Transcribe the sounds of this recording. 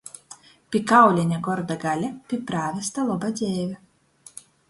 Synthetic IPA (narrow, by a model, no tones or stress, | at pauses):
pʲikawlʲɛnʲaɡɔɾd̪aɡalʲapʲipɾaːvʲest̪alˠɔbad̪zʲɛːvʲi